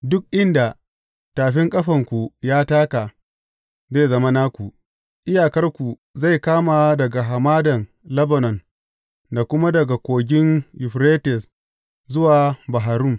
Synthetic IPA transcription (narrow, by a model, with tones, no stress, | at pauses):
dʊ˦k̚ʔɪ˦nda˨ | taː˨ɸɪ˦ŋkʼɐ˦ɸɐ˨ŋkʷu˨jaː˦taː˦ka˨ | ze˦˨jzɐ˦ma˦naː˦kʷu˨ʔ | ʔɪ˦jaː˨kɐ˦rkʷu˨ | za˦˨jkaː˦ma˨dɐ˨ɡa˨ɦa˨maː˦dɐ˨n | lɐ˦bɐ˨nɔ˨n | da˨kʷʊ˦ma˦dɐ˨ɡa˨kʷoː˨ɡʲɪ˦njʊ˨ɸɾeː˦tɛ˨s | zʊ˦waː˨ba˨ɦa˨ɾʊ˦˨m